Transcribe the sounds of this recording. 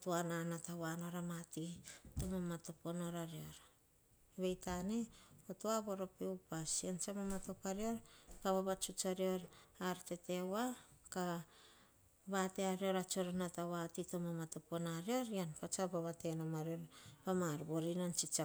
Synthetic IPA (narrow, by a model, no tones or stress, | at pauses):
tuananatawano̞ɾamatitomamatopo̞no̞ɾaɾio̞ɾ | eβejtane̞otoaβo̞ɾo̞peupasiant͡ʃamamato̞paɾio̞ɾkaβaβat͡ʃut͡ʃaɾio̞ɾaɾte̞te̞waka | βateaɾio̞ɾat͡ʃo̞ɾonatawatitomamato̞po̞naɾio̞ɾianpat͡ʃabaβate̞namaɾio̞ɾpamaɾbo̞ɾinant͡ʃit͡ʃa